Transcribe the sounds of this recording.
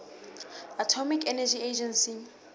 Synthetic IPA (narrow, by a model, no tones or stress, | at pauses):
atʰɔmikʰɛnɛd͡ʒied͡ʒɛnsi